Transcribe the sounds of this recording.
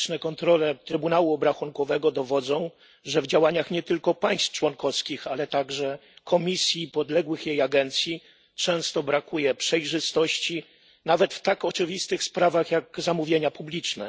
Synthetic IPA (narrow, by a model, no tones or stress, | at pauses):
t͡ʂnɛkɔnt̪ɾɔlɛt̪ɾɘbunawuɔbɾaxuŋkɔvɛɡɔd̪ɔvɔd̪zɔ̃w̃ | ʐɛvd͡ʑawaɲaxɲɛt̪ɘlkɔpaj̃st̪ft͡ʂwɔnkɔfskʲixalɛt̪aɡʐɛkʰɔmʲisʲjipɔd̪lɛɡwɘxjejaɡɛnt̪sʲji | t͡ʂɛ̃w̃st̪ɔbɾakujɛpʂɛjʐɘst̪ɔɕt͡ɕi | navɛt̪ft̪akɔt͡ʂɘvʲist̪ɘxspɾavaxjaɡzamuvʲjeɲapublʲit͡ʂnɛ̰